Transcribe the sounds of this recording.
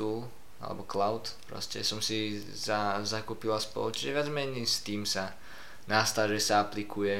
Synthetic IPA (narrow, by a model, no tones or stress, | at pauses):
uːl | a̰lɛ̰bɔklaʊt̪pɾɔ̰scɛ̰sɔmsi | zazakuːpilaspɔ̰lˠut͡ʃiʒɛʋɪad͡zmɛɲist̪iːmsa | naːst̪alʒɛsaaplikʰujɛ